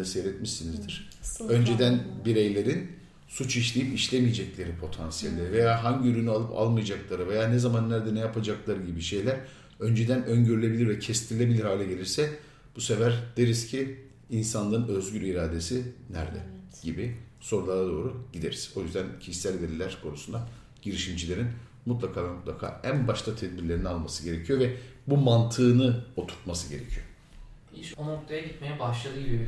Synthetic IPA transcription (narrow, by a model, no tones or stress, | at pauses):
asejɾɛt̪miʃsinizd̪iɾ̥ | ø̞nd͡ʒe̞d̪ænbiɾejlʲe̞ɾin | sut͡ʃiʃlʲejipiʃlʲemijed͡ʒɛclʲe̞ɾipʰo̞t̪ʰansijelʲːeɾive̞jaːɦaɲɟiyɾynyalˠɯpʰa̰lˠmɯjad͡ʒaklˠaɾɯve̞jaːnɛzamanːæɾd̪ɛnɛjapʰad͡ʒaklˠaɾɯɟibiʃe̞jlʲæɾ | ø̞nd͡ʒe̞d̪ænøɲɟyɾylʲe̞bilʲiɾvɛcʰɛst̪ʰiɾlʲe̞bilʲiɾhaːlʲɛɟe̞lʲiɾsɛ | b̥use̞væɾd̪̥eɾiz̥cʰiː | nsanlˠaɾɯnø̞zɟylʲiɾaːd̪e̞sinæ̰ɾd̪ɛ̰ɟ̥ibiso̞ɾulˠad̪ad̪o̞ːɾuɟid̪e̞ɾiz̥o̞jyzd̪æncʰiʃi̥sælʲvelʲilʲæɾkʰo̞nusund̪a | ɟ̥iɾiʃimd͡ʒilʲe̞ɾin | mut̪̬lˠakʰaːd̪amut̪lˠakʰa̰ːænbaʃt̪ʰat̪ʰɛd̪̚biɾlʲeɾinialˠmasɯɟe̞ɾecʰijo̞vɛbumant̪ʰɯːnɯo̞t̪ʰu̥ɾt̪masɯɟe̞ɾḛcʰijo | iʃonok̚t̪ʰajaɟit̪mejɛbaʃlˠaɯlˠ